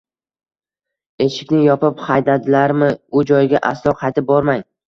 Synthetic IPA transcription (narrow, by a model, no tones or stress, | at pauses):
e̞ʃɪkʲnɪjɒpɪpχajd̪ad̪ɪlaɾmɪʊd͡ʒɒjɡʲaʔa̰slˠɒqʰɑjt̪ʰɪp̚bɒɾmaŋ